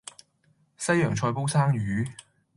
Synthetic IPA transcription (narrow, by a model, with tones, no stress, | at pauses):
sɐ˥jœː˨˩ŋt͡ʃʰɔː˧jpo˥wsaː˥ŋɥyː˨˥